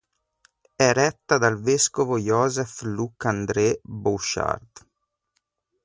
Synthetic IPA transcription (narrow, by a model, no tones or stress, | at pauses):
ɛɾɛt̪ːad̪alveskovojɔːzɛflukːand̪ɾebuʃa̰rd̪